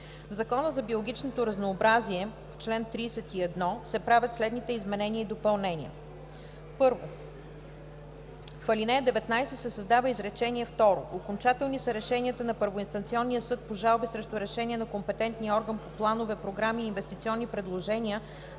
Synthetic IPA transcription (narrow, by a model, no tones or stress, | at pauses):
vzɐkɔnəzɐbiolˠoɡʲit͡ʃnot̪oɾɐznoːbɾaziɛ | ft͡ʃlɛnt̪ɾiːsɛt̪iɛd̪nɔsɛpɾavʲət̪slɛd̪nit̪ɛizmɛnɛniəid̪opɐlˠnɛnʲiə̰ | pɤɾvo | fɐlʲinɛd̪ɛvɛt̪najsɛt̪sɛsɐzd̪avəizɾɛt͡ʃɛnʲiɛft̪ɔɾoʔokont͡ʃat̪ɛlˠnisəɾɛʃɛniət̪ənɐpɤɾvoinst̪ɐnt̪siɔnːijəsɤt̪̚poʒalˠbisɾɛʃt̪oɾɛʃɛnʲiɛnɐkompɛt̪ɛnt̪niɔɾɡənpoplˠanovɛpɾoɡɾamiːnvɛst̪it̪siɔnːipɾɛd̪lˠoʒɛniə